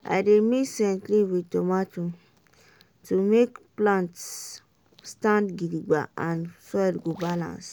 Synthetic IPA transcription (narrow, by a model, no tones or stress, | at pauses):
a̰jdemisɛ̃ntliwitomatu | tumekplãnts | stãndɡidiɡ͡ba̰ʔãnsɔjlɡobalã̰ns